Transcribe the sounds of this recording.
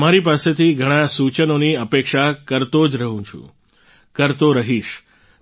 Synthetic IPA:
maɾipaset̪ʰiɡʱəɽ̃asut͡ʃənoniəpekʃakəɾt̪od͡ʒɾəɦũt͡ʃʰṵ̃ | kəɾt̪oɾəɦiʃ

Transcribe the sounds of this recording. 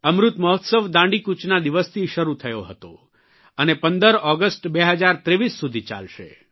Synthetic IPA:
əmɾut̪məɦɔt̪səʋd̪ãɳɖikut͡ʃnad̪iʋəst̪ʰiʃəɾut̪ʰəjoɦət̪o̰ | ənepənd̪əɾɔɡəsʈbeɦəd͡ʒaɾt̪ɾeʋisːud̪ʱit͡ʃa̰lʃḛ

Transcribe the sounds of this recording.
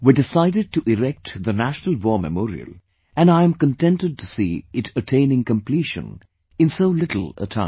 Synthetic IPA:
widɪsaɪɾɨd̚tuʔɪɾɛk̚tðənæʃnəl̩ˠwɔːmə̰mɔːɾḭə̰lˠ | ʔɨ̃naɪɨ̃mkə̃ntɛ̃ntɨd̚tusiːɪtətʰẽɪ̃nɪ̃ŋkə̃mpʰl̥iʃə̰̃n | ɨ̃nsoʊlɪɾl̩ˠə̰tʰã

